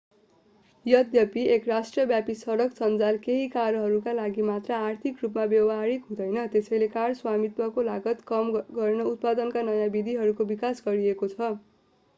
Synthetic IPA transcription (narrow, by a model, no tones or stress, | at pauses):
jʌd̪jʌpiekrasʈrʌbjapisʌɾʌksʌnd͡zalkeɦikaɾʌɦʌɾukalaɡimat̪rʌart̪ʰikrupmabjʌwʌɦaɾikɦũd̪ʌjnʌt̪esʌjlekaɽswamit̪wʌkolaɡʌt̪kʌmɡʌrnʌut̪̚pad̪ʌnkanʌjãbid̪ʱiɦʌɾukobikasɡʌɾiekot͡sʰʌ